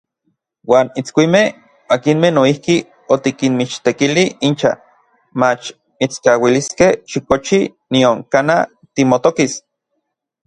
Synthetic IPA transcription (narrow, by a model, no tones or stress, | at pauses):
waːnit͡skʷimeh | akinmenoihki | ot̪ikinmit͡ʃt̪ekiliint͡ʃa̰ | mat͡ʃ | mit͡skawiliskehʃikot͡ʃinioŋkana | t̪imot̪okis